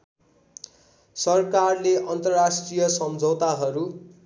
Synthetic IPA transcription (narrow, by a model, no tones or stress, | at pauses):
sʌrkarleʔʌnt̪ʌrrasʈrijʌsʌmd͡zʱʌwt̪aɦʌɾu